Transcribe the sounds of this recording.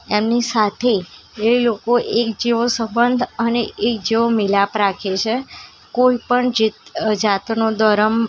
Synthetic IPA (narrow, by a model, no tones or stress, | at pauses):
emnisat̪ʰeelokoʔekd͡ʒeʋosəmbənd̪ʱəneek̚d͡ʒeʋomilapɾakʰet͡ʃʰe | koipəɳd͡ʒid͡ʒat̪nod̪əɾəm